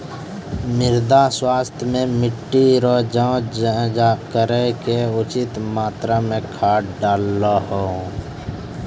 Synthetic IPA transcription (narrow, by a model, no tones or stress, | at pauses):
mɪɾd̪aswaːst̪ʰjmẽmɪʈːiɾɔd͡ʒãːakəɾɛkeʊt͡ʃɪt̪maːt̪ɾamẽkʰaːɖaːlːahoː